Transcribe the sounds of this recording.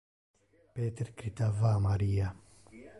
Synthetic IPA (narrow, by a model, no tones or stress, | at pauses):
pɛːt̪ɛɾkɾit̪ɐvamɐɾiːɐ